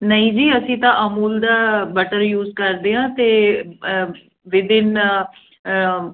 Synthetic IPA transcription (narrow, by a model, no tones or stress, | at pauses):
nəĩːd͡ʒiːəsĩːt̪ãːʔəmuːld̪aːbəʈəɾjuːzkəɾd̪eːɦãːt̪eː | ʋɪd̪ɪn